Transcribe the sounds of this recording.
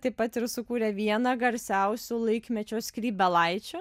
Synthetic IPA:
t̪ɐɪpɐt̪ɪɾsʊkuːɾʲɛʋʲiɛnɐɡɐɾʲsʲæʊsʲʊlˠɐɪkmʲɛt͡ʃʲoːskɾʲiːbʲɛlˠɐɪt͡ʃʲʊ

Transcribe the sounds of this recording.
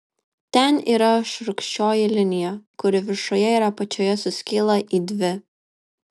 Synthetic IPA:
t̪ʲɛnḭːɾɐʃɾʊkʃʲt͡ʃʲoːjɪlʲɪnʲɪjɛkʊɾʲɪʋʲɪɾʃoːjɛiːɾɐpɐt͡ʃʲoːjɛsʊsʲkʲɪlˠɐʔiːd̪ʲʋʲɪ

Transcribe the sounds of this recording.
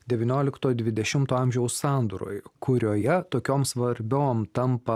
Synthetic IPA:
d̪ʲɛʋʲɪnʲoːlʲɪkt̪oːd̪ʲʋʲɪd̪ʲɛʃʲɪmt̪oːɐˑmʲʒʲɛʊssɑːnd̪uɾo̰ːjkʰʊɾʲoːjɛt̪oːkʲoːmsʋɐɾʲbʲoːmt̪ɐmpɐ

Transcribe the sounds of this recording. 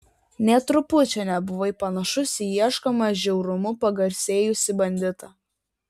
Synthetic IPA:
nʲɛt̪ɾʊpʊt͡ʃʲɛnʲɛbʊʋɐɪpɐnɐʃʊsʲɪiɛʃkomɐʒʲɛʊɾʊmʊpɐɡɐɾʲsʲeːjʊsʲɪbɐnʲd̪ʲɪt̪ɐ

